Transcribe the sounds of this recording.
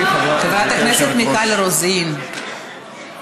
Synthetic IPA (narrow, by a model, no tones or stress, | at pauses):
χevɾat̪akneset̪nikaleɾozin